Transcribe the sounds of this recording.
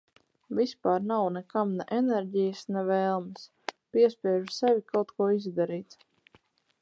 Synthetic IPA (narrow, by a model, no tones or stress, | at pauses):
vʲispaːɾnawnɛkamnɛʔɛnɛɾʲɟijəsnɛvɛːlˠmɨs | piɛspʲiɛʒusɛvʲikawt̪kuɔizd̪aɾiːt̪